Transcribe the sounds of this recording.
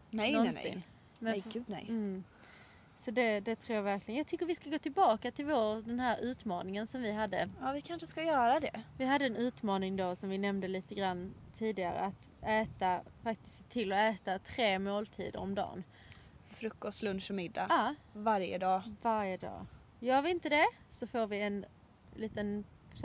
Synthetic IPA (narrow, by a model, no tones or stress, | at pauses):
nɛɔnɪ̰n | mɛɡʉ̟d̪nɛ̰j | sɔd̪ɛd̪ɛt̪ʰɾuːjɑvæɾklɪɡənjɑɡ̚t̪ʰʏkːəɾvɪskaɡoːt̪ʰɪlbɑːkat̪ʰɪlvoɾd̪ɛnhæːɾʉ̟ːt̪mɑːnɪŋənsɔmvɪɦad̪ːə̰aːvɪkʰanʂəskajœːɾad̪ɛ̰vɪɦad̪ːəːnʉ̟ːt̪mɑːnɪŋd̪osɔmvɪnɛmnd̪əliːt̪əɡɾanːt̪ʰiːd̪ɪɡa̰ɾə̰at̪ɛːt̪afak̚t̪ɪ̥skt̪ʰːɪlːɔɛːt̪at̪ʰɾeːmoːlt̪ʰḭːd̪ə̰ɾɔmd̪ɑ̰ːn | fɾɵkːɔst̪lɵnʂmɪd̪ːa̰ɑːvaɾjə̰d̪ɑːvaɾjəd̪ɑ̰ː | jœːɾvɪnt̪əd̪ɛ | sɔfoːɾvɪɛn | liːt̪ən